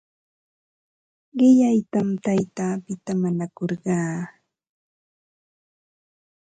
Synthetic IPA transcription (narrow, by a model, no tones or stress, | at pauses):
ɢɪʎajt̪amt̪ajt̪aːpɪt̪amaɲakoɾɢɑː